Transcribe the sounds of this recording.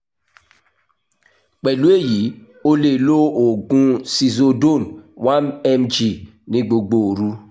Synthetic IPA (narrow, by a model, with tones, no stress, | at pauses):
k͡pɛ˨lu˦e˦˨ji˨˦ | o˦le˨lo˦o˨ɡũ˦si˨zo˧do˦˨nwa˦nɛ˦md͡ʒi˨ | nĩ˦ɡ͡bo˨ɡ͡bo˨ɾu˦